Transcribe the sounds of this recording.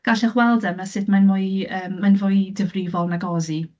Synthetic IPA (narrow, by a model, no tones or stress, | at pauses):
ɡ̥aɬɛχwɛlˠdəmasɨdmanmʊːɨəːmːanvʊːɨdəvrɪvɔlˠnaɡɔzi